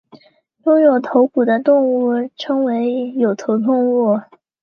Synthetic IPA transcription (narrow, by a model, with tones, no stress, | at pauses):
jʊ˥˩ŋjo˨˩ʊt̪ʰo˧˥ʊpu˨˩d̪ə˦t̪ʊ˥˧ŋu˥˩ʈ͡ʂʰɤ˥ŋwe˧˥ɪjo˨˩ʊt̪ʰo˧˥ʊt̪ʊ˥˧ŋu˥˩